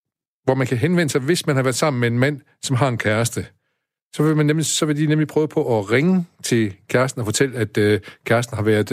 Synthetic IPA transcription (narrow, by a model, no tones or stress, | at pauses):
ʋɒmænkʰæɦenʋen̰əsɑɪʋe̝smænhɑʋæːɐd̥ˠsɑ̈m̰n̩mee̝nmæn̰ | sɒ̽mɦɑ̈e̝nkʰæɐsd̥ə | sɒ̽ʋemænːemlisɒ̽ʋe̝d̥inemlipʰʁœːʊpʰɒ̽ʔɒʁeŋət͡sʰe̝lkʰæɐsd̥n̩ɒfɒ̽t͡sʰel̰æd̥kʰæɐsd̥n̩hɑ̈ʋæɐðˠ